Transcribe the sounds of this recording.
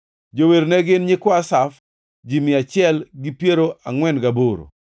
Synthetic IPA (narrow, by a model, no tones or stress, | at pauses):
d͡ʒoweɾnɛɡɪnɲɪkɔasaf | d͡ʒimɪat͡ʃɪɛlɡɪpjeɾoʔaŋwɛnɡaboɾo̰